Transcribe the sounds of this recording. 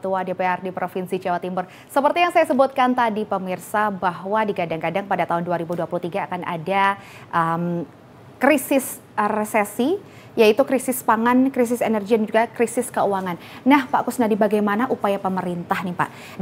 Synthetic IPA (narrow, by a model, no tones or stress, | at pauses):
t̪uadepeɛrdipɾofinsid͡ʒawat̪imbʊr | səpərt̪ijaŋsajasəbʊt̪̚kant̪adipəmirsabaɦwadiɡadaŋkadaŋpadat̪aɦʊnduaɾibuduapuluht̪iɡaːkana̰da | ʔəm | kɾisɪs | resesi | jait̪ukɾisɪspaŋankɾisɪsenərɡidand͡ʒuɡakɾisɪskəuaŋan | nahpaʔkʊsnadibaɡajmanaʔupajapəməɾint̪ahnipa̰ʔ